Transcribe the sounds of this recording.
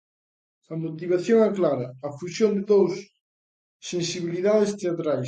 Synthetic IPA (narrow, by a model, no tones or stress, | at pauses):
ɐmot̪iβ̞aθjoŋɛklaɾɐːfusjond̪eðowsː | ensiβiliðaðest̪eat̪ɾajs